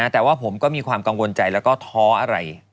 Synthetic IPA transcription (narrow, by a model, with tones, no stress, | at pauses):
a˦˥t̪ɛː˨˩waː˥˩pʰo˩˦mkɔː˥˩miː˧kʰwaː˧mka˧ŋwo˧nt͡ɕa˧jlɛː˦˥wkɔː˥˩t̪ʰɔː˦˥ʔa˧ɾa̰˧j